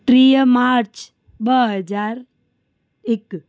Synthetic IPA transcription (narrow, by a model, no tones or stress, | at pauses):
ʈɾijəmaːɾt͡ʃ | bəɦəd͡ʒaːɾ | ɪk